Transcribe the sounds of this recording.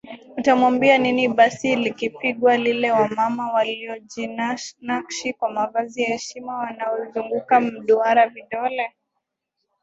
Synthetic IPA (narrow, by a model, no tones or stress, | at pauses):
utamwambianiniɓasilikipiɠwalilɛwamamawaliɔd͡ʒinanakʃikwamavaziahɛʃimawanaɔzuŋɡukam̩ɗuaɾaviɗɔlɛ